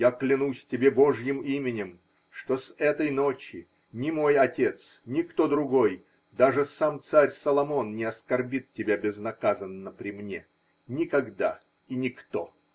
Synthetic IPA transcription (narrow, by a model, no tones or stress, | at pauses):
jaklʲɪnusʲtʲɪbʲe̞bo̞ʐjɪmimʲɪnʲɪm | ʂt̪osɛt̪əjnot͡ɕɪ | nʲɪmo̞jɐtʲe̞t̪snʲɪkt̪o̞d̪ɾʊɡoj | d̪aʐɨsamt̪saɾʲsəlˠɐmo̞nnʲɪɐskɐrbʲit̪̚tʲːɪbʲabʲɪznɐkazənːəpɾʲɪmnʲe | nʲɪkɐɡd̪a̰ | inʲɪkt̪o